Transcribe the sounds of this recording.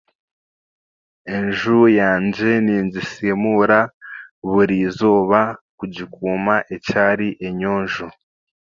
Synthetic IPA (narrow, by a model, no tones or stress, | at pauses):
e̞ɲʒujaːɲɟe̞niːɲɟisemuɾaβuɾiːzoːβakuɟikuːmaʔecaːɾiʔe̞ɲoːnʒo